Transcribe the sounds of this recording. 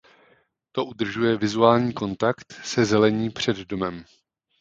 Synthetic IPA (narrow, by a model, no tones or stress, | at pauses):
t̪o̞ʔud̪r̩ʒujɛvɪzuaːlɲiːko̞nt̪akt̪sɛzɛlɛɲiːpr̝̥ɛd̪do̞mɛm